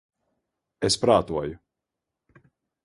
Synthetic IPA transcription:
espɾaːt̪uɔju

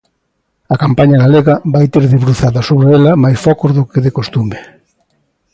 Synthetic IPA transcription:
ɐkampaɲɐɣaleɣɐβajt̪eɾðeβɾuθaðɐsoβɾeelɐmajsfɔkozðʊkeðekost̪ume

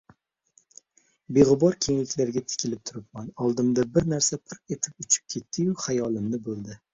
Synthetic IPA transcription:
be̞ʁʊbɒɾkʲʰe̞ŋlɪkʲlaɾɡʲat̪ʰɪ̥kʲʰɪlɪp̚t̪ʰʊɾɪp̚manɒlˠd̪ɪmd̪abɪɾnaɾsapʰɪɾqet̪ʰɪpʊt͡ʃʰɪ̥p̚kʲʰe̞t̪ʰːɪjʊhajɒlˠɪmnɪbolˠd̪ɪ

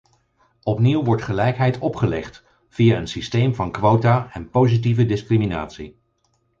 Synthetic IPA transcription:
ɔpniwʋɔɹtχəlɛjkɦɛjtɔpχəlɛχt | v̥iaənsistejmvɑnkʋowtaɛnpowzit̬ivədɪskrimina̰ːtsi

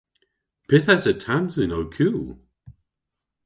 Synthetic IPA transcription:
pʰɪθasətʰamzinowkʰjuːlˠ

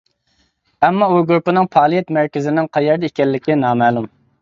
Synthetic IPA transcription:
ɛmːɑuɾɡɾupɨnɨŋpʰɑːlˠijɛt̪mæɾkʲɪzɪnɪŋqʰɑjɛɾd̪ɪikʲɛlːɪkʲinɑːmɛːlˠum

